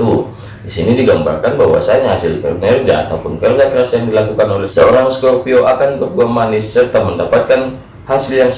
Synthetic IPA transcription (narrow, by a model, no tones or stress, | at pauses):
u | disinidiɡamba̰rkanbaɦwa̰saɲaɦasɪlpɛ̰rnɛrd͡ʒaa̰t̪aupʊnfɛrd͡ʒakɾasjaŋdilakukanɔlɛhsə̰oɾaŋskɔrpioʔakanbəbuamanisːərt̪aməndapat̪̚kan | hasɪljaŋs